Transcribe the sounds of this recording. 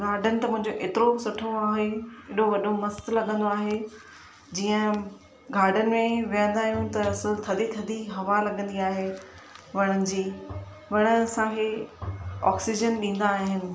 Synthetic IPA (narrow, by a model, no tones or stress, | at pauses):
ɡaːɾɖənɪ̆t̪ɐmʊ̃ɦɪ̃ɲd͡ʑoʔeːt̪ɪɾosʊʈʰoaːɦeeːɗoʋɐɗomɐst̪lɐɡə̃nd̪oaːɦe | d͡ʑiːə̃ | ɡaːɾɖənɪ̆mẽʋijə̃nd̪aːɦijũt̪ɐst̪ʰɐd̪ʱit̪ʰɐd̪ʱiɦɐʋalɐɠə̃nd̪iaːɦe | ʋɐɽ̃ənɪ̆d͡ʑiː | ʋɐɽ̃əɐsãkʰe | ɔ̰ːksid͡ʑənɗĩːn̆d̪aːɦɦɪnɪ̆